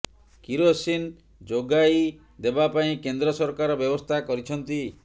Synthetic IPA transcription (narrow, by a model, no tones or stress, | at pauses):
kiɾosin | d͡ʒoɡaj | d̪ebapaĩkend̪ɾɔsɔɾkaɾɔbjɔbɔst̪ʰakɔɾit͡ʃʰɔnt̪i